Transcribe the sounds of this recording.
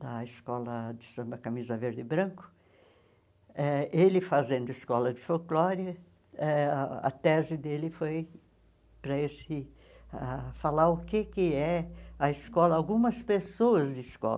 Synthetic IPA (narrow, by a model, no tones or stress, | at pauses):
d̪ɐɪskɔlɐd̪ɪsɐ̃mbɐkamizɐveɾd̪ɪbɾɐ̃kʊ̥ | ɛelɪfazẽnd̪ʊɪskɔlɐd͡ʒ̪ɪfowklɔɾjɐ | ɛɐ̰t̪ɛzɪd̪elɪfoj | pɾɐesɪ | afalaɾʊkekɪɛɐɪskɔlɐawɡũmɐspesoɐzd̪ɪɪskɔ̰l